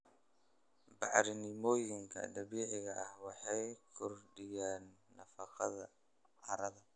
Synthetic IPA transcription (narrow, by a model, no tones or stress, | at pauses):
bɑʕɾɪnɪmɔːjɪŋkʰɐ̰d̪ɐβiːʕɪɣɐʔɐhwɑħɑjkʰɔrɖɪjaːnːɐfɐqɐðɐ | ʕɐɾɐðɐ